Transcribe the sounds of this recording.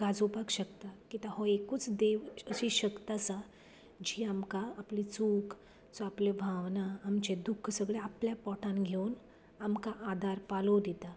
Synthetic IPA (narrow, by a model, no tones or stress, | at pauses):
ɡad͡zopakɕəkt̪akit̪aɦɔekuːt͡sd̪eʋəɕiɕəkt̪asa | d͡ʑiːamkaːplit͡suːkʰ | t͡sɔaplebʱaʋnaːmt͡ɕed̪ukʰsəɡɭeapljapɔʈʰãnɡʱewn | amkaʔad̪ʱaɾpalod̪it̪a